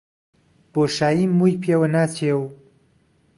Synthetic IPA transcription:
b̥oːʃaːjimːujpʰewɐnaːt͡ɕʰew

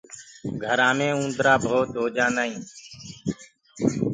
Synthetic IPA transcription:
ɡʱəɾãːmẽːũːnd̪ɾaːbʱoːt̪ɦoːd͡ʒãːnaːĩː

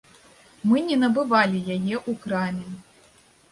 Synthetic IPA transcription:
mɨnʲɛnɐbɨvalʲijajɛʔukɾamʲɛ

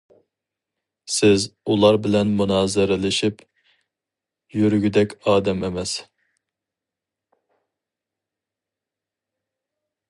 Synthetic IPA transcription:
sɪzulˠɑɾbɪlɛnmunɑːzɪɾɪlɪʃip | jyɾyɡʲyd̪ɛkʲɑːd̪ɛmemɛs

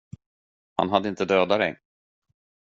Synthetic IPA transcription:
ha̰nɦad̪ːəɪnt̪əd̪øːd̪aɾɛ̰j

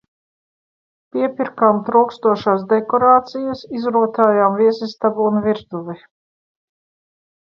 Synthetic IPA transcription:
piɛpʲiɾkamt̪ɾawkst̪uɔʃaːsd̪ekɔɾaːt̪sijasizɾuɔt̪aːjaːmviɛsist̪abuunviɾd̪uvi

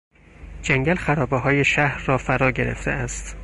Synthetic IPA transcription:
d͡ʒæŋɡælxæɾɒːbeɦɒːje̞ʃæhɾːɒːfæɾɒːɟeɾḛft̪ʰeæst̪

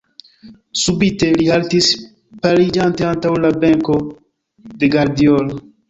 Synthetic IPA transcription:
subit̪e̞lihaltis | paɾid͡ʒant̪eant̪awlabeŋko̞ | d̪e̞ɡaɾd̪iolo

